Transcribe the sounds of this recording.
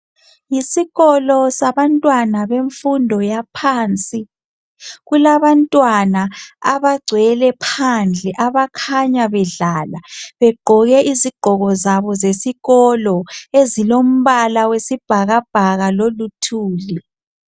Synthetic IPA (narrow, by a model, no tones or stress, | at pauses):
jisiɣɔlɔsaβantʼwanaβeɱfundʱɔjapʰaːnt͡sʼi | ɣulaβantʼwanaaβaɡ͡ǀʱwɛlɛpʰand͡ɮʱɛʔaβakʰaɲaβɛɮaːlaβɛɡ͡ǃʱɔɣɛʔiziɡ͡ǃ̥ʱɔɣɔzaβɔzesiɣɔlɔezilom̩βalawesib̥ʱaɣab̥ʱaɣalolutʰuːli